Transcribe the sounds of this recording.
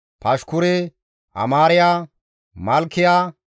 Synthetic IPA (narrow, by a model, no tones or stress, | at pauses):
pɐʃkʊɾɛ | ʔɐ̰maːɾɪjaː | mɐlkːɪjaː